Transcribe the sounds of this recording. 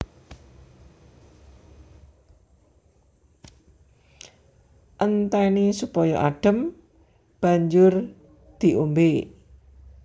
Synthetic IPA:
ʔənt̪ɛnisupɔjɔʔa̰ɖ̥ə̤m | b̥a̤ɲd͡ʒʊr | d̪̥i̤ʔombe

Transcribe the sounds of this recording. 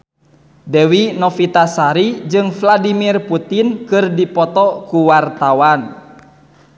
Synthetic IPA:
dɛwinɔfit̪asaɾid͡ʒɨŋfladimirput̪inkɨrdipɔt̪ɔkuwart̪awan

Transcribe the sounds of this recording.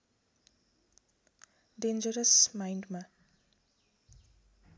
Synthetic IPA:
ɖend͡ʒəɾəsmajɳɖma

